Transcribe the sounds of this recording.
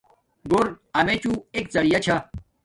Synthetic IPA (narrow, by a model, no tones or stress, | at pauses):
ɡoɾ | ɐmet͡ɕuek̚t͡sɐɽijɐt͡ɕʰa